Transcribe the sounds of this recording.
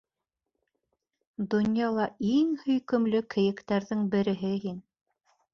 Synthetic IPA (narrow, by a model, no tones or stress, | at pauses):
d̪ŏnjɑlˠɑiŋhɵ̆jkɵ̆mlɵkʰɘ̆jɘ̆kt̪æɾðɘŋbɘ̆ɾɘ̆ɦɘɦin